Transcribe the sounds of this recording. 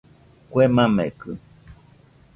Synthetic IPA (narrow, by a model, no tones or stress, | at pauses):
kwemãmḛ̃kɨ